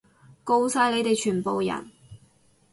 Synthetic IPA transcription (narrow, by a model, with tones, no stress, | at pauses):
ko˧wsaː˧jle˨˧jt̪e˨jt͡ʃʰyː˨˩npo˨wjɐ̰˨˩n